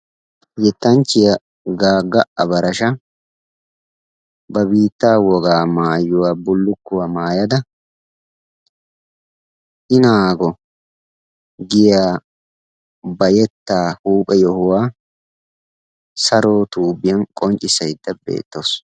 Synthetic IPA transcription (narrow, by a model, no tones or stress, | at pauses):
jɛt̪ːɐnt͡ʃːɪjɐ | ɡaːɡɐʔɐbɐɾɐʃɐ | bɐbiːt̪ːaːwɔɡaːmaːjːʊwaːbʊlːʊkːʊwɐmaːjɐd̪ɐ | ʔɪnaːɡɔ | ɡɪjaː | bɐjɛt̪ːaːhuːpʼɛjɔhʊwaː | sɐɾoːt̪uːbɪjɐnkʼɔɲt͡ʃʼːɪsɐjd̪ːɐbḛːt̪ːows